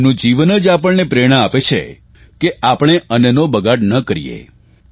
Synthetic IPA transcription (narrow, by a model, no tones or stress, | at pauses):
nũd͡ʒiʋənəd͡ʒapəɭnepɾeɽ̃aapet͡ʃʰḛ | keʔapɽ̃eʔənənobəɡaɽnəkəɾḭjḛ